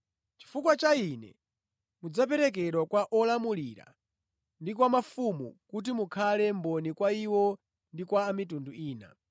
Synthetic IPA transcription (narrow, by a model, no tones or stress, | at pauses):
t͡ʃi̥fukwat͡ʃainɛ̰ | mud͡zap̬ɛɾɛk̬ɛɗwakwaʔɔlamuliɾa̰ | ndikwamafumṵkut̬imukʰalɛmbɔnikwaiwɔ | ndikwaːmitunduiːna̰